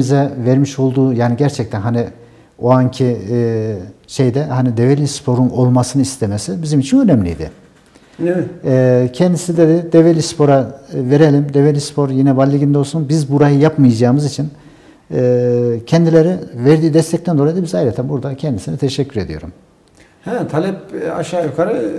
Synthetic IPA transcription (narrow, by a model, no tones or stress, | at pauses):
izɛvɛɾmiʃo̞lˠd̪uːjaːniɟæɾt͡ʃʰɛc̚t̪ʰænɦani | oaɲcʰi | ʃejd̪ɛhanid̪evelʲispʰo̞ɾuno̞lˠmasɯnɯist̪ʰemesibizimit͡ʃʰinø̞nɛmlʲḭjd̪ɪ̰ | cʰɛnd̪isid̪ɛd̪ɛd̪evelʲispʰo̞ɾaveɾelʲimd̪evelʲispʰo̞ɾjinɛvalʲːiɟind̪ɛolˠsunbizbuɾajɯjapmɯjad͡ʒaːɯmɯzit͡ʃʰin | cʰɛnd̪ilʲeɾivɛɾd̪iːd̪ɛst̪ʰɛct̪ɛnd̪o̞ɾajid̪abizajɾet̪ʰɛmbuɾd̪acʰɛnd̪isinɛt̪ʰɛʃɛcʰːyɾe̞d̪ḭjo̞̰ɾṵm | hɛt̪ʰalʲɛpaʃaːjukʰaɾɯ